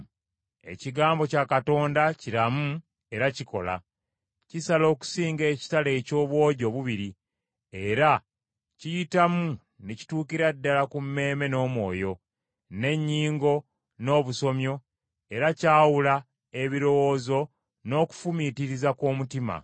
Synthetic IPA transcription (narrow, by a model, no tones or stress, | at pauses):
e̞̰ciɡaːmbo̞cakato̞ːndaciɾamu | e̞ɾaciko̞̰la̰ | cisalo̞ːku̥siːŋɡe̞ːci̥tale̞ːco̞ːβwo̞ːɟo̞βuβiɾi | e̞ɾa | cijitamu | neci̥tuːkiɾadːalakumːe̞ːme̞no̞ːmwo̞̰ːjo̞ | ne̞ɲːiːŋɡo̞ | no̞ːβuso̞mjo̞ | e̞ɾacaːwula | eβiɾo̞wo̞ːzo̞ | no̞ːku̥fumitiɾizakoːmutima̰